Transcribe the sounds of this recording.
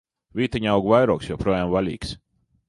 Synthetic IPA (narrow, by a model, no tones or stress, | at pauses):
vʲiːt̪aɲawɡvajɾuɔksjɔwpɾuɔjaːmvalʲḭːks